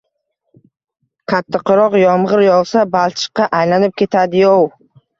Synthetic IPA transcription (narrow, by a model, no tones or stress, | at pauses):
qʰat̪ʰːɪqʰɨɾɒqjɒmʁɨɾjɒʁsabalˠt̪ʰɪ̥qːɑʔajlanɪp̚kʲʰe̞t̪ʰad̪ɪjɒw